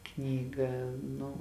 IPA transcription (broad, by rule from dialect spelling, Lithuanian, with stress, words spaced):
ˈknʲiːɡɑː ˈnʊ